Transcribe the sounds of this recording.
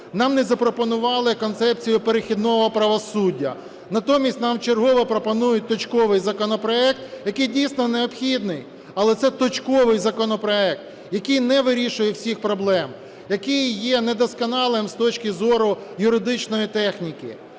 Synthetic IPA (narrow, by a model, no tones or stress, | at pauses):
nɑmnɛzɐpɾɔpɔnʊʋɑlˠɪkɔnt̪sɛp̚t͡sʲijʊpeɾexʲid̪nɔɦɔpɾɐʋɔsudʲːɐ̰ | nɐt̪ɔmʲisʲtʲnɑmt͡ʃerɦɔʋɐpɾɔpɔnujʊt̚ʲt̪ɔt͡ʃkɔʋɪjzɐkɔnɔpɾɔɛk̚t̪jɐkɪjdʲijsʲnɔneɔpxʲid̪nɪj | ɐlˠɛt̪sɛt̪ɔt͡ʃkɔʋɪjzɐkɔnɔpɾɔɛk̚t̪ | jɐkɪjnɛʋɪɾʲiʃʊjɛwsʲixpɾɔblˠɛm | jɐkɪjjːɛnɛd̪ɔskɔnɑlˠɪmst̪ɔt͡ʃkɪzɔɾʊjʊɾɪd̪ɪt͡ʃnɔjit̪ɛxnʲikɪ